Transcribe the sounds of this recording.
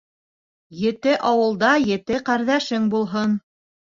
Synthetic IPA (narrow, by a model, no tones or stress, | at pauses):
jɘ̆t̪ɘʔɑwɤ̆lˠd̪ɑjɘ̆t̪ɘqæɾðæʃɘŋbulˠɦɤn